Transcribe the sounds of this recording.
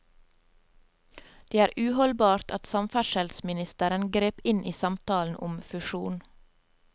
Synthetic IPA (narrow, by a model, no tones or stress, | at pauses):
d̪̥eːæːɾʔʉːhɔlbɑːɾt̪ʰɑt̪sɑmfæʃəlsmɪnɪst̪əɾənɡɾeːpɪnʔiːsɑmt̪ɑːln̩ʔʊ̰mfʉʃṵːn